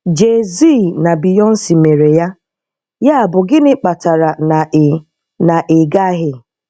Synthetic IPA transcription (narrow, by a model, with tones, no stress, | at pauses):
d͡ʒe˨zi˦˨na˨bi˨jɔ˦n̩˦si˨me˨ɾe˨ja˦ | ja˦a˨bʊ˨ɡɪ˦nɪ˦k͡pa˨ta˨ɾa˨na˨ | na˨ʔɪ˨ɡa˦ɦɪ˦